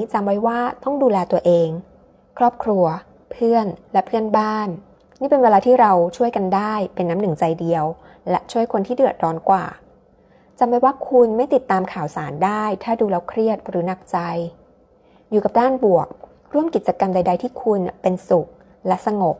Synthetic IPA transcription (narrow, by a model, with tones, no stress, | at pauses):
t͡ɕa˧mwa˦˥jwaː˥˩t̪ɔ˥˩ŋduː˧lɛː˧t̪u˧ɐʔeː˧ŋ | kʰɾɔː˥˩p̚kʰɾu˧ɐ | pʰɯ˥˩ənlɛ˦˥pʰɯ˥˩ənbaː˥˩n | niː˥˩pe˧nweː˧laː˧t̪ʰiː˥˩ɾa˧wt͡ɕʰu˥˩əjka˧ndaː˥˩jpe˧nːaː˦˥mnɯ˨˩ŋt͡ɕa˧jdi˧əw | lɛ˦˥ʔt͡ɕʰu˥˩əjkʰo˧nt̪ʰiː˥˩dɯ˨˩ət̪̚dɔː˨˦˥nkwa̰ː˨˩ | t͡ɕa˧mwa˦˥jwaː˥˩kʰu˧nma˥˩jt̪i˨˩t̪ːaː˧mkʰaː˨˩wsaː˩˦ndaː˥˩jt̪ʰaː˥˩duː˧lɛː˦˥wkʰɾi˥˩ət̪̚ɾɯː˩˦na˨˩k̚t͡ɕa˧j | juː˨˩ka˨˩p̚daː˥˩nbu˨˩ək̚ | ɾu˥˩əmki˨˩t̪̚t͡ɕa˧ka˧mda˧jda˧jt̪ʰiː˥˩kʰu˧npe˧nsu˨˩k̚ | lɛ˦˥ʔsa˧ŋo˨˩k̚